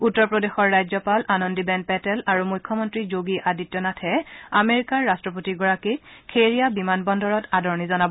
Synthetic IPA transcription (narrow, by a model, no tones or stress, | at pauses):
utːɔɹpɹɔdexɔɹːajzɔpalanɔndibɛnd̚pɛtɛlaɹumujkʰːɔmɔntɹizoɡiʔaditːɔnatʰɛameɹikaɹːastɹɔp̬otiɡɔɹakikʰeɹijabimanbɔndɔɹɔtadɔɹnizɔnabɔ